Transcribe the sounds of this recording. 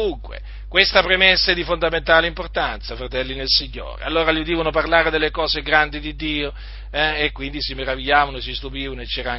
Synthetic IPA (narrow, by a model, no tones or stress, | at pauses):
uŋkwḛ | kwest̪apɾemesːaed̪ifond̪ament̪aːleimport̪ant̪safɾat̪ɛlːinelsiɲːo̰ːɾḛa̰lːoːɾaliud̪iːvanoparlaːɾed̪elːekɔːzeɡɾand̪id̪id̪ːiːo | ɛekːwind̪isimeɾaviʎːaːvanoesist̪upiːvanoet͡ʃːɛːɾaaŋ